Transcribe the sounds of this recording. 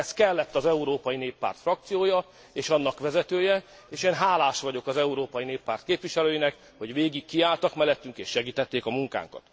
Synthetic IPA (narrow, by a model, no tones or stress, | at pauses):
ɛskɛlːɛt̪ːɒzɛuɾoːpɒjineːpːa̰ːrt̪frɒk̚t̪sijoːjɒ | eːʃɒnːɒkʋɛzɛt̪øːjɛ | eːʃeːnɦaːlaːʃʋɒɟo̞kɒzɛuɾoːpɒjineːpːaːrt̪keːpʋiʃɛløːjinɛk | ho̞ɟʋeːɡikːiaːlt̪ɒkmɛlːɛt̪ːyŋkeːʃːɛɡiːt̪ɛt̪ːeːkɒmuŋka̰ːŋkɒ̰t̪